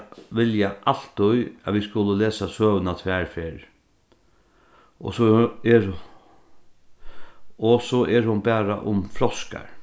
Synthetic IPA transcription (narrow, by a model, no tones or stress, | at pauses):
ʋɪljaʔal̥t̪ʊjaʋiskʊləleːsasøːʋnat̪ʰvʋæːɹfɪɹ | ɔ̰sɔɛɹ | ɔsɔʔɛɾhʊnbæːɾa̰ʔʊmflɔska̰ɹ